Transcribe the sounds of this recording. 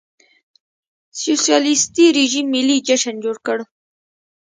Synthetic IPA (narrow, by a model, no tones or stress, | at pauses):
susijɑlist̪iɾiʒimːilid͡ʒaʃənd͡ʒoɽkəɽ